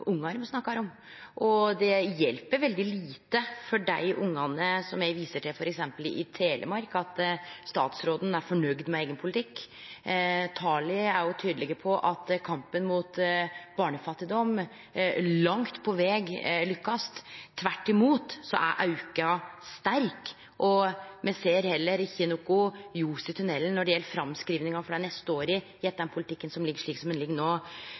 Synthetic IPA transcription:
ʊŋːɑɾmɔsnɑkːɑhæːɾɔm | ʔɔd̪ɛjɛlpəɾʋɛld̪ɪliːt̪əfɔɖæɪʔʊŋːɑnəsɔmjæɪʋiːsəʈʰɛfɔɾɛksɛmpəlɪ̰t̪ʰeːlʔə̰mɑɾkɑt̪st̪ɑ̰ːt̪sɾoːd̪n̩æɾfɔɳœɡd̪mɛæɪɡənpʰʊlɪt̪ʰɪkː | t̪ʰɑːlɪæɾjʊt̪ʰyːd̪əlɛɡəpʰɔʔɑt̪kʰɑmpənmuːt̪b̥ɑːɳəfɑt̪ːɪd̪ɔm | lɑŋt̪pʰɔʋɛːɡlʉkːɑst̪ʰːʋæʈːɪmuːt̪sɔ̰ʔæ̰ʔɑʉkɑst̪æɾk | ʔɔmʔɛseːɾhɛlːəɾçiːnʊkʊjuːsɪt̪ʰʉnɛlːənnːɔɖɛjɛlːəfɾɑmskɾiːʋnɪŋɑfɔɖɑnɛst̪əoːɾɪ | jɛt̪̚d̪ɛnpʰʊlɪt̪ɪkːənsɔmlɪɡəʂɭiːksɔmɛnlɪɡːnoː

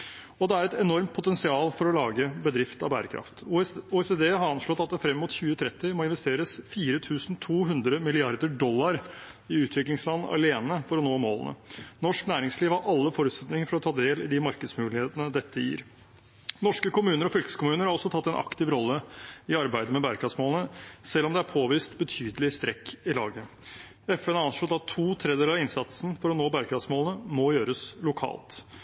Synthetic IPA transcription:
ɔd̪ɛæɾɛt̪ɛnɔɾmt̪̚pʰʊt̪ɛnsɪɑːlfɔɾɔlɑːɡəbəd̪ɾɪft̪ɑ̰ʋbæ̰ːɾə̰kʰɾɑ̰ft̪uɛsed̪eːhɑɾɑnʂlɔt̪ːɑt̪̚d̪ɛfɾɛmːmʊt̪çʉːət̪ʰɾɛt̪ːɪmɔɪnʋɛst̪eːɾəsfiːɾət̪ʰʉːsn̩t̪ʰuːɦʉnd̪ɾəmɪlɪɑɾd̪əɖɔlːɑɾ | ɪʉːt̪ʰʋɪklɪŋslɑnɑ̰leːnəfɔɾɔnoːmo̰ːlə̰nə̰nɔʂknæːɾɪŋsliːʋhɑɾʔɑlːəfɔɾʉːt̪sɛt̪nɪŋəɾfɔɾɔt̪ʰɑːd̪eːlɪd̪ɪmɑɾkəd̪smʉːlɪheːt̪ənəd̪ɛt̪ʰːəjḭːɾ | nɔʂkəkʊmʉːnəɾɔfʏlkə̥skʊmʉːnəɾhɑɾɔsɔt̪ʰɑt̪ːɛnʔɑ̰kt̪ɪʋɾɔlːəɪɑɾbæɪd̪əmɛbæɾkɑsmoːlnəsɛlːɔmd̪ɛæɾpʰoːʋiːst̪bət̪ʰyːd̪əlɪst̪ɾɛkːɪlɑːɡə | ɛfɛnɑnʂlɔt̪ɑt̪ʰːuːt̪ʰɾɛd̪eːlɑʋɪnsɑt̪sn̩fɔɾɔnoːbæɾkɑsmoːlənəmɔjøːɾəslʊkʰɑ̰ːlt̪

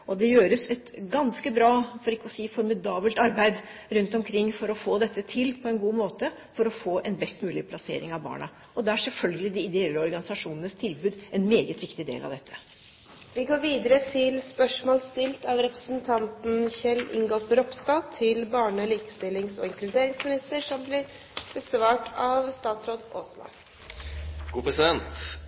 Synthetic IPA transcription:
ɔd̪ɛjøːɾəsɛt̪ɡɑnskəbɾɑːfɔɾɪkːəɔsiːfɔɾmɪd̪ɑːbəlt̪ɑɾbæɪd̪ɾʉnt̪ɔmkʰɾɪŋːfɔɾɔfoːd̪ɛt̪ːət̪ʰɪlːpʰɔɛnɡuːmoːt̪ə | fɔɾɔfoːʔɛnbɛst̪mʉːlɪpʰlɑsḛːɾɪŋɑʋbɑ̰ːɳɑ | ɔd̪ɛæʂɛlfœlɡəlɪd̪ɪɪd̪ɛɛlːəɔɾɡɑnɪsɑʂuːnənəst̪ʰɪlbʉːd̪ɛnmeːɡət̪ʋɪkt̪ɪd̪ḛːlʔɑ̰ʋd̪ɛt̪ʰːə̥ | ʋɪɡoːɾʋiːd̪əɾət̪ʰɪlspœʂmoːlst̪ɪlt̪ɑʋɾɛpɾəsnt̪ʰɑnt̪n̩çɛlːʔɪ̰ŋɡɔp̪ɾɔpst̪ɑt̪ʰɪlbɑːɳəliːkə̥st̪ɪlːɪŋsɔ̰ɪŋkɾʉd̪eːɾɪŋsmɪnɪst̪əɾʂɔmblɪɾ | b̥əsʋɑːʈɑʋst̪ɑːt̪sɾoːd̪oːslɑ̰ | ɡ̥uːpʰɾɛsɪd̪ɛnt̪

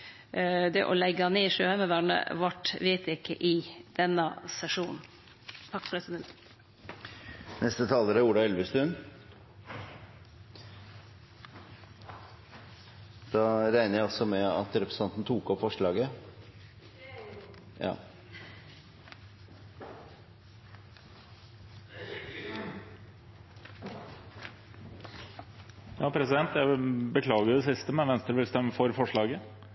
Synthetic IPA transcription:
d̪ɛʔɔlɛɡɑneːʂøːhæɪməʋæɳə̰ʋɑʈʋeːt̪ɪkːə̰ʔɪd̪̥ɛnːɑsɛʂuːnn̩ | t̪ʰɑkːpʰɾɛsɪd̪ɛnt̪ | nʔɛst̪ət̪ʰɑːləɾəuːɖɑɛlʋəst̪ʉn | d̪̥ɑːɾæɪnəjæɪɑsɔmɛɑ̰t̪ɾɛpɾəsɑnt̪n̩t̪ʰuːkɔpfɔʂɭɑːɡə | ɑ̰ː | jɑːpʰɾɛsɪd̪ɛnt̪jæɪbəkʰlɑːɡəɾʊd̪ɛsɪst̪əmɛʋɛnst̪ɾəʋɪlst̪ɛmːəfɔɾfɔʂɭɑːɡə

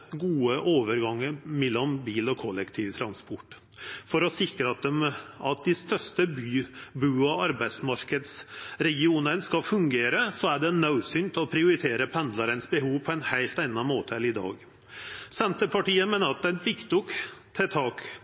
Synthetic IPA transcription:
ɡuːəʔoːʋəɾɡɑŋːəmɛlːɔmbiːlɔkʰɔlːɛkt̪ʰiːʋt̪ʰɾɑnspɔʈː | fɔɾɔsɪkɾəɑt̪̚d̪ɛmɑt̪̚d̪ɪst̪œʂt̪əbybʉːɑɑɾbæɪsmɑɾkəd̪sɾɛɡɪuːnənskɑfʉŋɡeːɾəsɔæɖɛnɑʉsʏnt̪ɔpʰɾɪʊɾɪt̪ʰeːɾəpʰɛnd̪lɑɾənsbəɦuːʋpʰɔɛnhæɪlt̪æɪnɑmoːt̪ʰəɛlɪd̪ɑ̰ːɡ | sɛnt̪əpʰɑʈiːəmeːnəɾɑt̪̚d̪ɛnfɪkt̪ʊkt̪ʰɛt̪ʰɑːk

